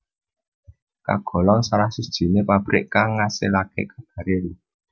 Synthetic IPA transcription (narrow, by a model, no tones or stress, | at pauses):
ka̰ɡ̥ɔ̤lɔŋsaɾahsud̥ʒ̥i̤nepab̥ɾɪ̰ʔkaŋːasɪlakḛʔkḁb̥a̤ɾei